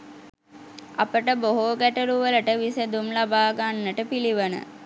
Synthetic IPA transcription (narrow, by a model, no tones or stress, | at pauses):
a̰pəʈəboɦoːɡæʈəluʋələʈəʋisəd̪umlabaːɡanːəʈəpiliʋənə̰